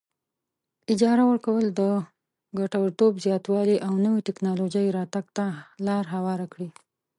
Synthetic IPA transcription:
ɪd͡ʒɑɾawəɾkawəld̪ə | ɡaʈawəɾt̪obzjɑt̪wɑliʔawnəwiʈɪknɑlod͡ʒajɾɑt̪aɡ̚t̪alɑɾɦawɑɾakɽi

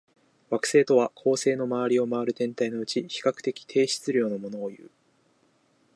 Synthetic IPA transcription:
βakɯ̟̥se̞ːt̪o̞βakʰo̞ːse̞ːno̞maβaɾʲio̞maβaɾɯ̟t̪ẽ̞nt̪aino̞ɯ̟t͡ɕiçi̥kakɯ̟̥t̪e̞kʲi̥t̪ʰe̞ːɕi̥t͡sɨɾʲo̞ːnomo̞no̞ːjɯ̟̰ː

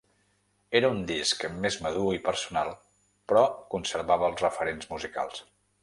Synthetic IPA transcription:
eɾəund̪iskmezməðuipəɾsunalˠ | pɾɔkunsəɾβaβəəlˠzrəfəɾenzmuzika̰lˠs

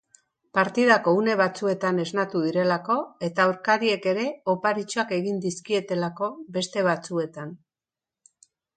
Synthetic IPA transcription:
paɾt̪ið̞ako̞une̞β̞at͡sue̞t̪ane̞znat̪uðiɾe̞lako̞e̞t̪auɾkaðie̞ke̞ɾe̞opaɾit͡ʃoake̞ɣind̪iskie̞t̪e̞lako̞be̞st̪e̞β̞at͡sue̞t̪an

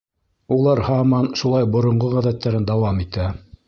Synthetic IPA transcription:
ulˠɑɾhɑmɑnʃulˠɑjbŏɾŏɴɢoʁæðæt̪ːæɾɘnd̪ɑwɑmit̪æ

